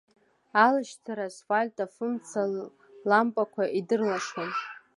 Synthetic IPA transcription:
alɨʃtʰaɾasfalʲtʼafɨmt͡sʰa | lampʼakʷʰaʔidɨrlaʂon

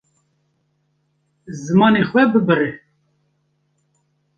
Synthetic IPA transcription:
zɨmɑːnexwɛbɨbɨre

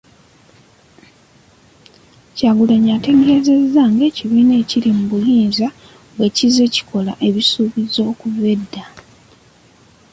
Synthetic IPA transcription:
caːɡuleɲate̞ɡe̞ze̞zːaŋɡe̞ːciβiːne̞ːciɾimuβujiːnza | ɡwe̞cize̞ci̥kʰo̞la̰ʔe̞βisuːβizo̞ːkuve̞dːa

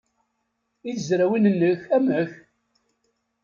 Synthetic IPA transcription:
iθzɾæwinənːəçæməç

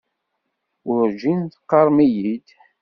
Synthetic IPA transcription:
ʊɾʒinθqːɑɾˤmijid̪

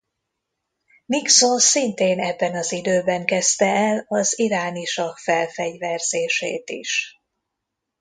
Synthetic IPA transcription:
miksosint̪eːnɛbːɛnɒzid̪øːbɛŋkɛst̪ɛɛlɒziɾaːniʃɒkfɛlfɛɟvɛrz̥eːʃḛːt̪ḭʃ

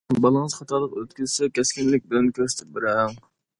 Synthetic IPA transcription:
bɑlˠəŋəzχɑt̪ʰɑɾlˠəqøt̪kʲyzsɛkʲʰɛskʲinlɪk̚ʲbɪlɛnkʲʰøɾsɪ̥t̪ʰɪp̚beɾɛŋ

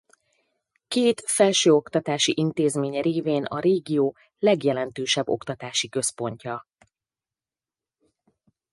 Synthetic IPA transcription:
keːt̪fɛlʃøːo̞kt̪ɒt̪aːʃiʔint̪eːzmeːɲɛɾeːveːnɒ̰ɾeːɡijoː | lɛɡjɛlɛnt̪øːʃɛbːo̞̰kt̪ɒt̪aːʃikø̞spo̞ɲcɒ

